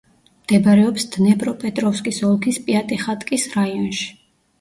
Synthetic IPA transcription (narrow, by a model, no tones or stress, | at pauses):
md̪̥ɛbaɾɛɔpsd̪nɛpʼɾɔpʼɛt̪ʼɾɔfskʼisɔlˠkʰispʼiat̪ʼɛχat̪ʼkʼisɾaiɔnʃi̥